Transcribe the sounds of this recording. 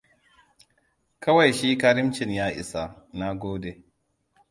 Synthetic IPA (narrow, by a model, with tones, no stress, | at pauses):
kʰɐ˦wa˨jʃiː˦kaː˦ɾɪ˦mt͡ʃɪ˨njaː˦ʔɪ̰˨sa˨ | na˦ɡʷoː˦de˨